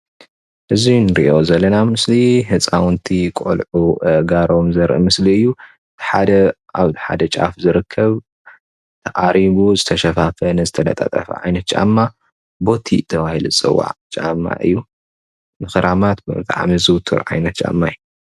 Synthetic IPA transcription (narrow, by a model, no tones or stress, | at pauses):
ʔɨzinɨɾḭʔo̞zɐlːɐnamɨslihɨt͡sʼawnt̪ʰikʼo̰lʕuɡaɾo̞mzɐɾʔɨmɨsliɨjːu | ɨt̪ʰi̥ħad̪ɐ | aβt̪iħa̰d̪ɐt͡ʃʼa̰fzɨɾɨkʰːɐβ | t̪ʰɐʔʼaɾiβuzɨt̪ʰɐʃɐfafɐnɨzɨt̪ʰɐlɐ̰t̪ʼa̰t̪ʼɐ̰fɐ̰ʕa̰jnɐt̪̚t͡ʃʼa̰mːa | bo̞t̪ʰḭt̪ʰɐβahiluɨt͡sʼɨ̰wːa̰ʕt͡ʃʼa̰mːa̰ʔɨ̰jːu | mɨxɨɾʔamat̪bɨɨt̪ʰʼa̰ʕmizɨwt̪ʰɨ̰ɾʕa̰jnɐt̪̚t͡ʃʼa̰mːaju